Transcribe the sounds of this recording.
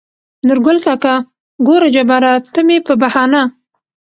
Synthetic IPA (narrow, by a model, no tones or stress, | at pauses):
nʊɾɡʊlt̪aka | ɡoɾad͡ʒabaɾat̪əmepəbahɑna